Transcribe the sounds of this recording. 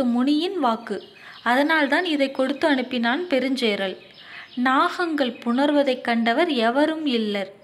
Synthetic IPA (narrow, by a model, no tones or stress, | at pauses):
ɯmʊɳɪjɪnʋaːkːɯ | ɐðɐnaːlt̪aːnɪðɐɪkːɔɽɯt̪ːɯɐɳɯpːɪnaːnpɛɾɯɲd͡ʒeːɾɐɭ | naːɣɐŋɡɐɭpʊɳɐɾʋɐðɐɪkːɐɳɖɐʋɐɾɛʋɐɾɯmɪlːɐɾ